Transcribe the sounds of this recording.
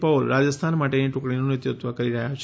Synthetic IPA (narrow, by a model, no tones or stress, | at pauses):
pəlɾad͡ʒəst̪ʰanmaʈeniʈukɭinunɪt̪jut̪ʋəkəɾiɾəɦjat͡ʃʰ